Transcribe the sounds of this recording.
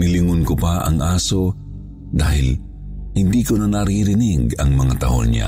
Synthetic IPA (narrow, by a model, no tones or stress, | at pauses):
nɪlɪŋʊnkʊpaʔɐ̰ŋʔaːso | d̪aːhɪl | hɪnd̪iːkonanɐɾiɾɪniɡɐŋmɐŋat̪ɐʔo̰nɲa̰